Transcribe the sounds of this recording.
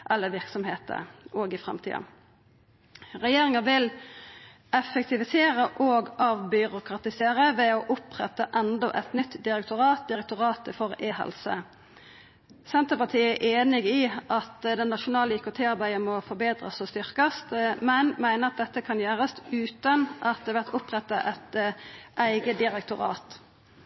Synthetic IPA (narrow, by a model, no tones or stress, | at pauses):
ʔɛlːəʋɪʁksɔmhḛːt̪ə̰oːɡɪfʁɛ̰mt̪ʰḭːɑ̰ | ʁɛjeːʁɪŋəʋɪl | ɛfək̚t̪ɪʋɪseːʁəʔɔːɡɑʋbʏɾʊkʰʁɑt̪ɪseːʁəʋɛɔʔʊpʁɛ̰t̪əʔɛnd̪ɔʔɛt̪nʏt̪ːd̪ɪɾʁɛkt̪ʊɾɑːt̪̚d̪ɪɾɛk̚t̪ʊʁɑːt̪əfɔʁeːhɛ̰lsə̰ | sɛnt̪əpɑt̪ʰiːəæʔeːnɪɡiʔɑt̪d̪ɛnːɑʃʊnɑːləykʊt̪ʰeːɑʁbæɪəmɔfɔɾbeːd̪ʁə̰sɔst̪ʏʁkəst̪mɛnmæɪnəʁɑt̪̚d̪ɛt̪ːəkʰɑnjøːʁəst̪ʉːt̪ɑnʔɑt̪̚d̪ɛʋæʁt̪ʊpʁɛt̪ːɑʔɛt̪ʔæɪɡəd̪ɪʁɛk̚t̪ʊʁɑ̰ːt̪